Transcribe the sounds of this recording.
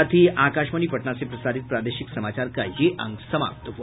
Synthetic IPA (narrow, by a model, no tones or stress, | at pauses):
at̪ʰiːakaʃməɳipəʈɳasepɾəsaɾit̪̚pɾad̪eɕiksəmat͡ɕaɾka̰jeʔã̰ŋɡsəma̰p̚t̪əɦo